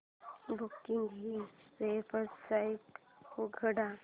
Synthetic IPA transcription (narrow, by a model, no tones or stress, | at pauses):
bukiŋɡɦipepəɾssaiʈhoɡʱəɽa